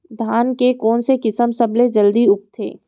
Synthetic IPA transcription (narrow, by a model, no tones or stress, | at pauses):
d̪ʱaːnkekɔːnsekɪsəmsɐbled͡ʒɐld̪iʊk̚t̪ʰḛː